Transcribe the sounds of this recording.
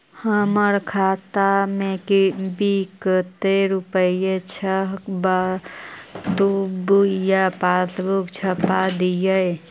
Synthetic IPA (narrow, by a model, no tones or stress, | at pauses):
həməɾkʰat̪amẽkibikət̪eɾupəijet͡ʃʰəɦkba | d̪ubjapasbukt͡ʃʰəpad̪ijəj